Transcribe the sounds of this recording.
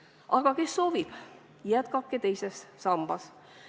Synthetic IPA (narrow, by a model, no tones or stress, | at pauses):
ʔɑɡ̥ɑke̞sːo̞ːvib̥ | jæt̪kɑp̚kːit̪e̞jsesːɑmb̥ɑs